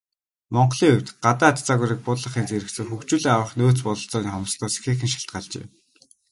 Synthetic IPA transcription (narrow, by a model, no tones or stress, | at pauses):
mɔɴɢɮiːŋɵw̥ʲt̪ɢat̪aːt̪t͡saɣuːɾiːk̚pʊt̪ɮə̆χiːnt͡seɾɘ̆kt͡sɘ̆ŋxuxt͡ɕuːɮiːŋawə̆χnoːt͡spʊɮɞ̆ɬt͡sɔːniːχɔm̆st̪ʰɔːse̥xeːxɘ̆nʃḁɬt̪̚ɢaɮt͡ɕḛː